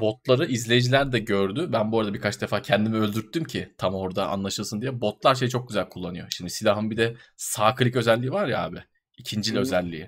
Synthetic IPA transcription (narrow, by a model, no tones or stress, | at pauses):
bo̞t̪̚lˠaɾɯʔizlʲe̞jid͡ʒilʲæɾd̪ɛɟø̞ɾd̪ybænbo̞ːɾad̪abiɾkʰat͡ʃd̪ɛfaːcʰɛnd̪imiø̞lʲd̪yɾt̪ʰːymcʰɪt̪ʰamo̞ɾd̪aa̰nlˠaʃɯlˠsɯnd̪ijɛbo̞t̪lˠaɾʃ̬e̞jt͡ʃʰo̞k̚ɟyzælʲkʰulˠːanɯjo̞ʃimd̪isilʲaɦɯnbid̪ɛsaːkʰɯlʲicø̞zɛlʲːiːivaɾja̰ːbɪ | icʰind͡ʒilʲɛø̞zɛlʲːḭji